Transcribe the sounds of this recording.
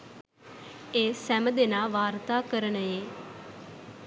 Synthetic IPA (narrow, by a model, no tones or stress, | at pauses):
eːsɛmd̪eːnaːʋaːɾt̪aːkəɾənəeː